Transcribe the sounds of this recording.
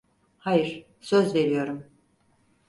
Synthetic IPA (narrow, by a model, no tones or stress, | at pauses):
hajɯɾ̥ | søzve̞ɾijo̞ɾum